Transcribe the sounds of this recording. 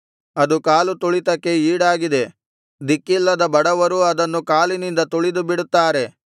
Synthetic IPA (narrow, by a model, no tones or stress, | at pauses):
ɐd̪ukaːlut̪uɭit̪ɐkːe̞iːɽaːɡid̪e̞ | d̪ikːilːɐd̪ɐbɐɽɐʋɐɾuɐd̪ɐnːukaːlinind̪ɐt̪uɭid̪ubiɽut̪ːaːɾe̞